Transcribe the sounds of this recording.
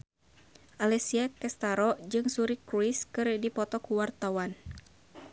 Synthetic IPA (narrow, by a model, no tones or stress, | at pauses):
ʔalɛsiakɛst̪aɾɔd͡ʒɨŋsuɾikɾuiskɨrdipɔt̪ɔkuwart̪awan